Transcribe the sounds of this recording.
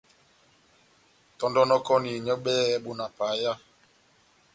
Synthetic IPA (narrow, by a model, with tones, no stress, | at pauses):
tɔ˦ndɔ˦nɔ˦kɔ˦ni˨ɲɔ˦ɓɛ˦ɛ˦ɓu˨na˨pa˨˦ja˦